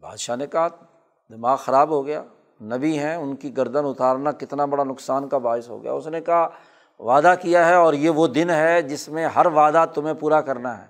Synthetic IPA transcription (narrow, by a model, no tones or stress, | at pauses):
ba̰ːd̪ʃanekaɦa | d̪ɪmaːɣxɐɾaːbɦoɡɐja̰ː | nɐbiɦɛ̃ʊnkiɡɐɾd̪ənʊt̪aːɾnakɪt̪nabɐɽanʊksaːnkabaːɪsɦo̰ːɡɐ̰ja̰ːʊsnekɐaɦ | ʋaːd̪akijaɦɛɔːɾjeʋod̪ɪnɦɛd͡ʒɪsmẽɦɐɾʋaːd̪at̪ʊm̤ẽpuːɾakɐɾnaɦɛ̰ː